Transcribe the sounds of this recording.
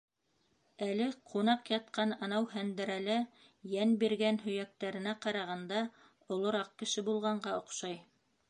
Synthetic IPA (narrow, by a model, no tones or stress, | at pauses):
ælɘqʰunɑqjɑt̪̚qɑnɑnɑwɦænd̪ɘ̆ɾælɘ | jænbiɾɡænɦɵ̆jæk̚t̪æɾɘ̆næqɑɾɑʁɑnd̪ɑ | ŏlˠŏɾɑq̚kɘ̆ʃɘbulˠʁɑɴɢɑŏqʃɑj